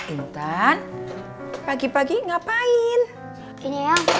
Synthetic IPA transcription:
int̪an | paɡipaɡiŋapaɪn | iɲejaŋ

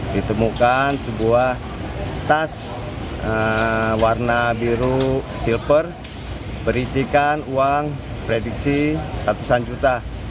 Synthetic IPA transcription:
dit̪əmukansəbuah | t̪as | əwarnabiɾu | silpər | bəɾisikanuaŋ | pɾedik̚sisat̪usand͡ʒut̪a

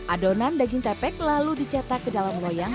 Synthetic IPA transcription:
ʔadonandaɡiŋt̪ɛpɛk̚laludit͡ʃat̪akːədalamlojaŋ

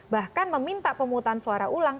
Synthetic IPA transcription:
bahkanməmint̪aʔpəmuːt̪ansuaɾaʔulaŋ

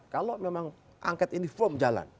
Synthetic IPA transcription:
kalomemaŋ | ʔa̰ŋkɛt̪inifomd͡ʒala̰n

